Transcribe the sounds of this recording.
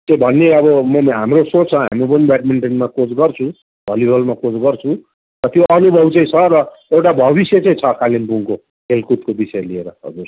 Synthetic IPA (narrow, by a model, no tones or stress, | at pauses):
t͡sʌĩbʱʌnːeʌβʌmʌmɦamrosot͡st͡sʰʌɦa̰mip̬ʌnibaʈmiɳʈenmakod͡zɡʌrt͡sʰũ | bʱʌlibʱʌlmakod͡zɡʌrt͡sʰũ | rʌt̪joʔʌnubʱʌbt͡sʌ̃ĩt͡sʰʌɾʌ | ewʈabʱʌβisjet͡saĩt͡sʰʌkalimpuŋko | ɦelkut̪̚kobisʌjelieɾʌɦʌ̰d͡zur